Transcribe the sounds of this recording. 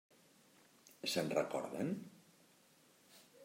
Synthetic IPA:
sənrəkɔ̰ɾðən

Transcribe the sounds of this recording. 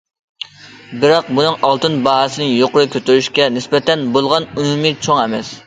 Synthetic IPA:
bɪɾɑq̚bunɨŋʔɑlˠt̪ɨnbɑɦsɨnɪjoqʊɾɨkʲøt̪yɾyʃkʲɛnɪspɛt̪ɛnbolˠʁɑnumumɨt͡ʃʰoŋɛmɛs

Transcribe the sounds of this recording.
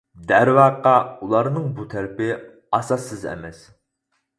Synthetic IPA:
d̪æɾvɑqːɑulˠɑɾnɨŋbut̪ʰæɾɪpɪ | ɑsɑsːɨzɛ̰mɛs

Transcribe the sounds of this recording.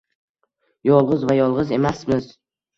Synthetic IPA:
jɒlˠʁɨzvajɒlˠʁɨze̞masmɪz

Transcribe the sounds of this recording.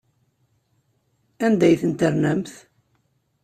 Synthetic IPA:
ænd̪æjθənt̪əɾnæmθ

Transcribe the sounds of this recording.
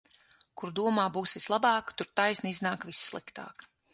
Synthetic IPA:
kuɾd̪uɔmaːbuːsvislˠabɑːkt̪uɾt̪ajsnʲiiznaːkvissːlˠikt̪a̰ːk

